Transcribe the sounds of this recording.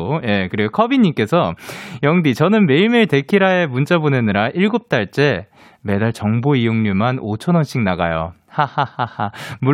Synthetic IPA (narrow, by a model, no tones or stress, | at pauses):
je̞kɯɾiɡokʰʌbiɲːimk͈e̞sʰʌjʌŋdit͡ɕʌnɯnme̞iɭmeɭte̞kʰiɾae̞munt͡ɕ͈abonenɯɾaʔiɭɡop̚t͈aɭt͡ɕ͈e̞ | me̞daɭt͡ɕʌŋboijoŋɲumanot͡ɕʰʌnʌnɕ͈iŋnaɡajo̰ | hahahahamu